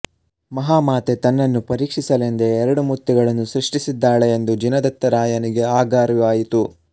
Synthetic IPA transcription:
mɐɦaːmaːt̪e̞t̪ɐnːɐnːupɐɾiːkʂisɐlend̪eːɾɐɽumut̪ːuɡɐɭɐnːusɾiʂʈisid̪ːaːɭe̞ːnd̪ud͡ʒinɐd̪ɐt̪ːɐɾaːjɐniɡe̞aːɡaːɾuaːjit̪u

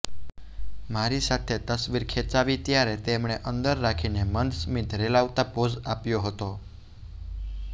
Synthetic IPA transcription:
maɾisat̪ʰet̪əsʋiɾkʰet͡ʃaʋit̪jaɾet̪emɳ̃eʔənd̪əɾːakʰinemənd̪smid̪ʱɾelaʋt̪apod͡ʒapjoɦət̪o

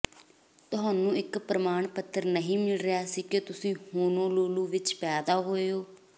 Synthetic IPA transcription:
t̪ʊɦaːnũːɪkpɾəmaːɳpət̪ʰːəɾnəɦĩːmɪlɾɪjaːsiːket̪ʊsĩːhoːnõːloːluːʋɪt͡ʃpɛːd̪aːɦoːeoː

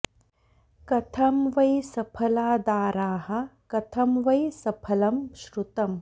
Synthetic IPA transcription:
kɐt̪ʰɐmʋɐjsɐpʰɐlaːd̪aːɾaːhɐ̆kɐt̪ʰɐmʋɐjsɐpʰɐlɐmʃɾut̪ɐm

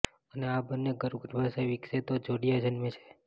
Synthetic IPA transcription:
əneabənːeɡəɾɡəɾbʱasajʋikset̪od͡ʒoɽijad͡ʒənmet͡ʃʰe̥

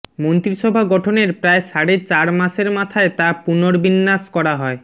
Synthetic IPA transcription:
mont̪ɾiʃɔbʱaɡɔʈʰoneɾpɾaeʃaɽet͡ɕaɾmaʃeɾmat̪ʰaet̪apunoɾbinːaskɔɾaɦɔe

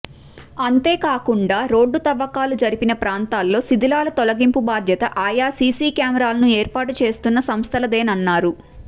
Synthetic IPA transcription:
ɐnt̪e̞ːkaːkuɳɖaːɾo̞ːɖːut̪ɐʋːɐkaːlud͡ʒɐɾipinɐpɾaːnt̪aːlːo̞ːsid̪ilaːlɐt̪ɔlɐɡimpubaːd̪ʱjɐt̪ɐʔaːjaːsiːsiːkjaːmɐɾaːlɐnueːɾpaːʈut͡ʃe̞ːst̪unːɐsɐmst̪ʰɐlɐd̪e̞ːnɐnːaːɾu

